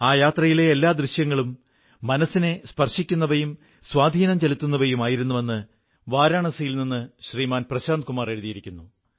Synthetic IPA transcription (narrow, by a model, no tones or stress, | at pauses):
aːjaːt̪rɐjile̞ːlːaːd̪riɕjɐŋːɐɭumː | ɐnɐsine̞spɐrʂikʲːunːɐʋɐjum | swaːd̪ʱiːnɐmt͡ɕelit̪ːunːɐʋɐjumaːjiɾunːuʋe̞nːɨ | ʋaːɾaːɳɐsɐjilninːɨɕriːmaːnprɐɕaːnd̪̚kumaːre̞ɻuðijiɾikʲːunːu